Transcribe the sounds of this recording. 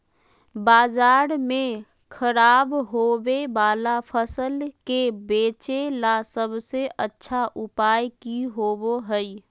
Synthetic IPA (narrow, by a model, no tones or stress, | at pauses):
baːzaːɾmẽ | kʰəɾaːbɦoːweʋaːlapʰəsəlkebeːt͡ʃelasəbseʔətːʃʰaʔʊpaːjkiɦoːboɦɛi